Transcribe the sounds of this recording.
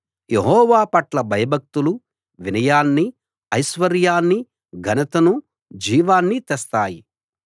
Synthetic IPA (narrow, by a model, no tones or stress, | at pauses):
jeɦɔːʋaːpɐʈlɐbʱɐjɐbʱɐk̚t̪ulu | ʋinɐjaːnːi | ɐjʃʋɐɾjaːnːi | ɡʱɐnɐt̪ɐnu | d͡ʒiːʋaːnːit̪ɛst̪aːji